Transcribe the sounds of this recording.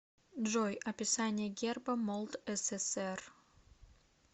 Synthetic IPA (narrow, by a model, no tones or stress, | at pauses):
ʒojɐpʲɪsanʲɪjəɡʲerbəmolˠt̪ɛsɛsɛr